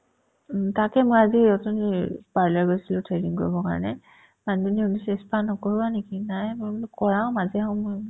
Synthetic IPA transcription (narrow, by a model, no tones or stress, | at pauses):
takɛmojaziɔtɔnipaɹlaɹɡojsilʊ̃tʰɹeniŋkoɹibɔka̰ɹɔ̰nɛ | mandunionisɛspʰanɔkoɹibanekinajmomkɔɹãʊ̃mazɛɦɔ̃moj